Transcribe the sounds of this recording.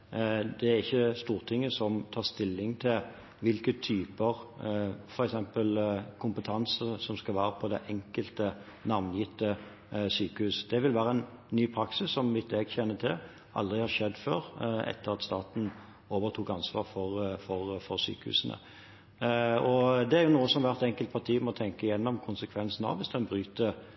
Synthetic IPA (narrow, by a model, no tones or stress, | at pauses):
d̪ɛæɾɪçːəst̪uːʁt̪ʰɪŋːəsɔmt̪ʰɑːʁst̪ɪlːɪŋt̪ʰɪl | ʋɪlkət̪ʰyːpəɾ | fɔɾɛksɛmpəlkʰʊmpət̪ʰɑnsəsɔmskɑlʋæːɾəpʰɔd̪ɛʔɛŋkəlt̪ə | nɑʋnjɪt̪ːə | syːkəhʉːsd̪̥ɛʋɪlʋæːɾəɛnnyːpʰɾɑksɪsːɔmmɪt̪eːɡçɛnːət̪ʰɪl | ʔɑ̰ld̪ʁɪhɑɾʂɛd̪ːfø̰ːɾɛ̰t̪ːəʁɑt̪st̪ɑːt̪n̩ | oːʋəʁt̪ʰuːkɑnsʋɑ̰ːɾfɔʁfɔɾfɔɾsy̰ːkəhʉ̰ːsnə̰ | ɔd̪ɛæɾjʊnuːəsɔmʋæʁt̪ɛŋkəlt̪̚pʰɑt̪ʰiːmɔt̪ʰɛŋkəɪjɛnːɔmkʰʊnsəkʰʋɛnsn̩ɑ̰ʋʋɪsd̪ɛnbɾyːt̪ə